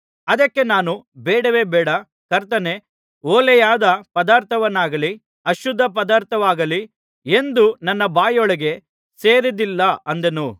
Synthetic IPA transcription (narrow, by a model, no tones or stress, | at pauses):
ɐd̪ɐkːe̞naːnubɛːɽɐʋe̞ːbɛːɽɐ | kɐɾt̪ɐne | oːlɛjaːd̪ɐpɐd̪aːɾt̪ʰɐʋɐnːaːɡɐli | ɐʃud̪ʱːɐp̬ɐd̪aːɾt̪ʰɐʋaːɡɐli | end̪unɐnːɐbaːjɔɭɐɡe̞ | se̞ːɾid̪ilːɐʔɐnd̪ɐnu